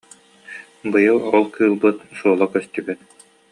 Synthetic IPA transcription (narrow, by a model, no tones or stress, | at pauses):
bɯjɯlˠɔlˠkʰɯːlˠbɯt̪suːlˠɔkœst̪ybyt̪